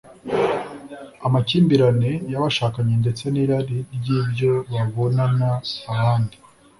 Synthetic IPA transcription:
amaciːmbiɾane̞jaβaʃaːkaɲe̞nde̞t͡se̞niːɾaɾiɾjiːbjo̞βaβo̞nanaːβaːndi

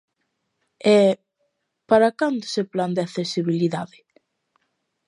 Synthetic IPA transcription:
ɛ | paɾakand̪ʊ̥sepland̪eaθesiβiliðaðɪ

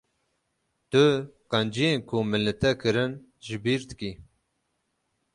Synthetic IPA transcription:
t̪ʊqɑnd͡ʒijenkʰumɨlɨt̪ɛkʰɨɾɨn | ʒɪbiːɾd̪ɨki

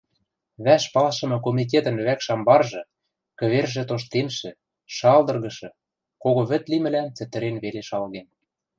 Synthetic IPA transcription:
βæʃpɑlʃɤ̆mɤ̆k̬omʲit̪̬et̪ə̆nβækʃɑmbɑrʒɤ̆ | kɘ̆βerʒĕt̪oʃ̬t̪enʃɘ̆ | ʃɑld̪ɤ̆rɣɤ̆ʃɤ̆ | koɣoβɘ̆t̪limɘ̆lænt͡sɘ̆t̪ɘ̆ɾenβeleʃɑlɣen

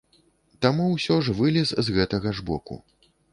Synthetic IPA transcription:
t̪amuwsʲɔʐvɨlʲiszɣɛt̪ɐɣɐʐbɔ̰kṵ

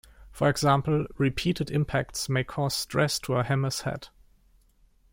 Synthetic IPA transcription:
fɔɛɡz̥ãmpl̩ɹipʰiːtɨdɪ̃mpʰæktsmeɪkʰɔz̥stʰɹɛstʰuəhæməshɛ̰t

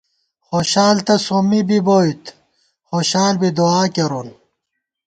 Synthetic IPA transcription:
xoɕaːlt̪ɐsomibiboːit̪ʰ | xoːɕaːlbid̪uaːkeɾun

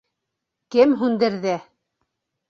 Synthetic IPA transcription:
kɘmɦʉnd̪ɘ̆ɾðɘ

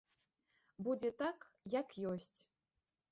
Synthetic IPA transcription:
bud͡zʲɛt̪ak | jakjosʲt͡sʲ

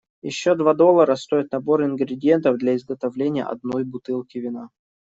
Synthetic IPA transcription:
jɪ̰ɕːod̪vad̪o̞lˠːəɾəst̪o̞ɪt̪̚nɐbo̞ɾɪnɡɾʲɪdʲɪent̪əvd̪lʲɐɪzɡət̪ɐvlʲenʲɪjə̰ʔɐ̰d̪no̞jbʊt̪ɨlˠkʲɪvʲɪna

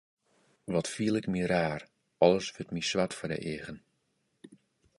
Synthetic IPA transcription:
ʋɔtfiəlˠɪkmiraːr | ɔlˠəsʋøtmisʋatfɔdə̰ʔeːɣən

